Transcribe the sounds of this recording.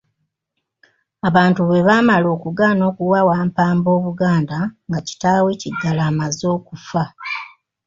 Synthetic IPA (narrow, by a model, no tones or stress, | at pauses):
aβaːntuβe̞βaːmalo̞ːkuɡano̞ːkuwawaːmpaːmbo̞ːβuɡaːndaŋɡaci̥taːwe̞ːciɡːalaːmazo̞ːkufa